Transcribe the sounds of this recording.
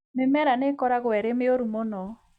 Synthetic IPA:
memɛɾanekɔɾaɣwɛɾemeoɾumɔnɔ

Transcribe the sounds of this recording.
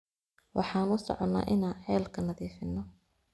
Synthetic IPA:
wʔɑ̰ħɑːnʊsɔ̰ʕɔnːa̰ːʔɪnaːnħɛːlkʰɐnɐðiːfɪnːɔ

